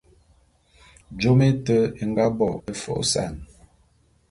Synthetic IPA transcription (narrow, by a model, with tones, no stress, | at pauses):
d͡ʒo˦me˦tə˦e˨ŋ˦ɡa˦bɔ˦˨e˦fɔ̰˨˦sa̰˨n